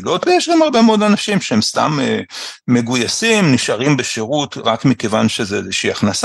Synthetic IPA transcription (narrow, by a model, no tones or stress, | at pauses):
lotvejeʃɡamhaʁbe̞meo̞danafʃimʃehemst̪a̰meːe̞ɡujasimniʃaʁimbeʃeʁutʁakmikevanʃezeezeʃiaχnasa